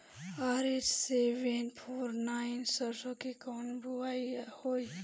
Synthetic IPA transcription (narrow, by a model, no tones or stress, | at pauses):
aɾed͡ʒseʋenpʰoːɾnaɪnsəɾsokikɔːnbʱuaihoi